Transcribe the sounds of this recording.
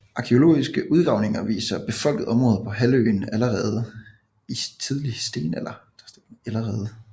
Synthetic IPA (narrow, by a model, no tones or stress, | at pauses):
ʔɑ̈kʰeo̝lo̝̰ːisɡ̥əʔuð̞ˠɡ̥ʁɑ̈ʊne̝ŋɐʋḭːsɐb̥e̝fɒ̽l̰ɡ̥ð̞̩ˠɒ̽mʁɔ̽ːð̩ˠpʰɒ̽ɦælø̰ːn̩æləʁɛːð̞ˠ | it͡sʰið̞ˠlisd̥e̝̰ːnelɐd̥seæləʁɛːð̞ˠə